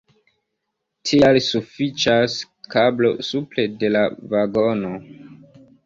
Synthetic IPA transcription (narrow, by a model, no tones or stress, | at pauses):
tʰialsufit͡ʃas | kablo̞suple̞de̞lavaɡono̞